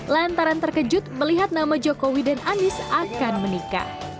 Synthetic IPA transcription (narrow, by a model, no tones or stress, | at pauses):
lant̪aɾant̪ərkəd͡ʒʊt̪̚məliɦat̪̚namad͡ʒokowidanʔanɪsakanmənika̰h